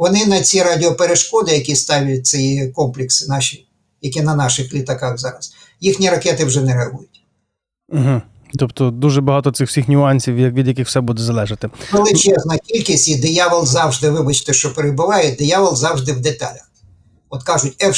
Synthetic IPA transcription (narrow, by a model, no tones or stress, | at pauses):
ʋɔnɪnɐt͡sʲiɾɑdʲɪɔpeɾeʃkɔd̪ɪjɐkʲist̪ɑʋʲɪlʲɪt͡s̪ɪkɔmplʲɪksɪnɑʃʲi | jɐkʲinɐnɑʃɪxlʲit̪ɐkɑɣzɑ̰ɾɐs | jixnʲiɾɐkɛt̪ɪwʒɛnɛɾɐɦujʊt̩ʲ | ɦ̩ | t̪ɔpt̪ɔd̪uʒɛbɐɦɑt̪ɔt̪sɪxw̥sʲixnʲʊɑnʲsʲiwjɐkʋʲid̪ʲjɐkɪxwsɛbud̪ɛzɐlˠɛʒɐt̪ɪkɔlˠɪt͡ʃɛznɐkʲilʲkʲɪsʲid̪ɪjɑʋɐlˠzɑwʒd̪ɪʋɪbɐt͡ʃɪ̥t̪ɪʃt͡ʃɔpeɾebʊʋɑjʊd̪ɪjɑʋɔlˠzɑwʐd̪ɪwd̪et̪ɑ̰lʲɐx | ɔt̪kɑʒʊtʲɛ